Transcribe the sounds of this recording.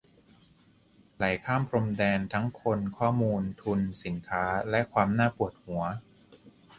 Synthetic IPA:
la˨˩˦jkʰaː˥˩mpʰɾo˧mdɛː˧nt̪ʰa˦˥ŋkʰo˧nkʰɔː˥˩muː˧nt̪ʰu˧nsi˩˦nkʰaː˦˥lɛ˦˥ʔkʰwaː˧mnaː˥˩pu˨˩ət̪̚hu˩˦ɐ

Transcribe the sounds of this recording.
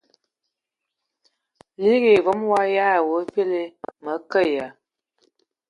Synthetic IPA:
li˦ɣe˨vɔ˦mwa˦ja˦˨wə˨˦pe˦le˦mə˨˦kə˦˨ja˨

